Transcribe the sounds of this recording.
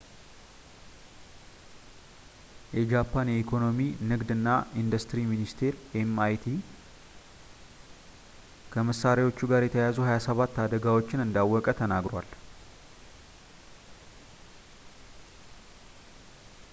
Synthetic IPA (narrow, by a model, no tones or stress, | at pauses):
jɛd͡ʒapʰːanjɛikʰo̞no̞minɨɡd̪ɨnːaʔind̪ɐst̪ɨɾiminist̪ʰe̞ɾʔemajt̪ʰi | kʰəməsːaɾewo̞t͡ʃːuɡaɾjɛt̪ʰəjazuhajasəβat̪ːad̪əɡawot͡ʃːɪnɨnd̪awːɔkʼət̪ʰənaɡɾowa̰l